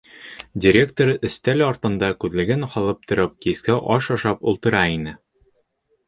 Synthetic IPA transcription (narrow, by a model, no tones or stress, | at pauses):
dʲɪɾʲe̞kt̪oɾɵ̆st̪ælɒɾt̪ɤ̆nd̪ɑkʉðlɘ̆ɡɘnχɒlˠɤp̚t̪ŏɾɤp̚kiskæʔɒʃɒʃɑpulˠt̪ɤ̆ɾɑinɘ